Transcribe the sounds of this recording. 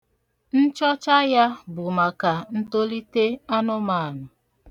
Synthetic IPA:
n̩˦t͡ʃɔ˦t͡ʃa˦ja˦bʊ˨ma˨ka˨n̩˦to˦li˦te˦a˦nʊ˦ma˨a˨nʊ˨

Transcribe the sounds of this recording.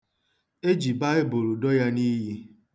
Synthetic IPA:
e˦d͡ʒi˨ba˦ɪ˦bo˨ɾu˨dɔ˦ja˦ni˦ɦi˦

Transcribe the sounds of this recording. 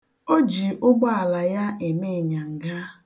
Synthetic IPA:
o˦d͡ʒi˨ʔʊ˦ɡ͡bɔ˦a˨la˨ja˦e˨me˦˨ɲa˨ŋ̩˨ɡa˦

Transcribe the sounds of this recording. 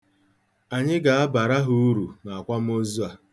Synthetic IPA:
a˨ɲɪ˦ɡa˨a˦ba˨ɾa˦ɦʊ˦u˦ɾu˨na˨a˨kʷa˦m̩˦o˦zu˦a˨

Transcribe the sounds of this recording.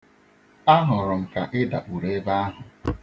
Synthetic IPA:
a˦ɦʊ˨ɾʊ˨m̩˨ka˨ʔɪ˦da̰˨ʔu˨ɾe˦ba˦a˦ɦʊ˨

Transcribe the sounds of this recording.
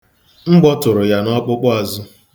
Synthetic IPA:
ŋ͡m̩˦ɡ͡bɔ˦tʊ˨ɾʊ˨ja˨nɔ˦k͡pʊ˦k͡pʊ˦a˨zʊ˦

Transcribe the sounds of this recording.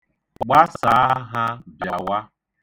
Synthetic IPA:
ɡ͡ba˦sa˨˦a˦ɦa˦bja˨wa˦

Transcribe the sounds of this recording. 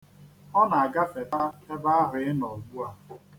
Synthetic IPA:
ɔ˦na˨a˨ɡa˦fe˨ta˦te˦ba˦a˦ɾɪ˨ɪ˦nɔ˨ɡ͡bu˦a˨

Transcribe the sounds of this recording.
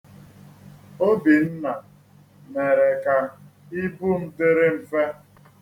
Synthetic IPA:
o˦bi˨n̩˦na˨ | me˨ɾe˨ka˨ | i˦bu˦m̩˦de˦ɾe˦m̩˨fe˦

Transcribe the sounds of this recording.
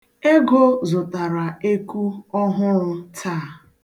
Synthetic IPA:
e˦ɡo˦zʊ˨ta˨ɾa˨e˦ku˦ɔ˦ɦʊ˦ɾʊ˦tʰaː˦˨

